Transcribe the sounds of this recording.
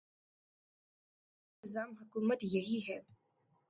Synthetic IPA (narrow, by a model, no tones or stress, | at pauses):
ɪzaːmɦʊkuːmət̪jɐɦiɦɛː